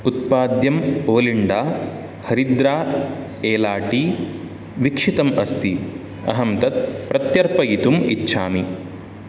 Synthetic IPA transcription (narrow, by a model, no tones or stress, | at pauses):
ut̪̚paːd̪jɐmoːliɳɖaː | hɐɾid̪ɾaː | eːlaːʈi | ʋikʂit̪ɐmɐst̪i | ɐ̰ɦɐmt̪ɐt̪̚pɾɐt̪jɐɾpɐjit̪umḭtːʃʰaːmi